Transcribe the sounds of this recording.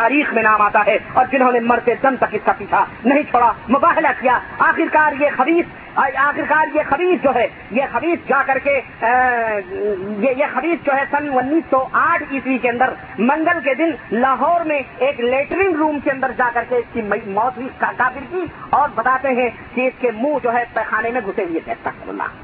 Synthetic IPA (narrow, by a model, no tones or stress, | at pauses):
aːɾiːxmẽnaːmaːt̪aɦɛɔːɾd͡ʒɪnɦõːnemɐɾt̪ed̪ɐmt̪ɐkɪskapiːt͡ʃʰanɐɦĩt͡ʃʰoːɽamʊbaːɦɪlakijaːaːxɪɾkaːɾjexɐbiːs | aːxɪɾkaːɾjexɐbiːsd͡ʒoːɦɛ | jexɐbiːsd͡ʒaːkɐɾke | jejexɐbiːsd͡ʒoːɦɛsɐnʊnːiːsːɔʔaːʈʰiːswikeɐ̃nd̪əɾ | mɐ̃ŋɡəlked̪ɪnlaːɦɔːɾmẽeːkleːʈɾɪ̃ŋɡɾuːmkeɐ̃nd̪əɾd͡ʒaːkɐɾkeɪskimmɔːt̪ɦikakaːfɪɾkiɔːɾbɐt̪aːt̪eɦɛ̃ | kiɪskemũd͡ʒoːɦɛpɛːxaːnemẽɡʱʊseɦuet̪ɛ̰ːst̪asɐɾə̰lːa̰ː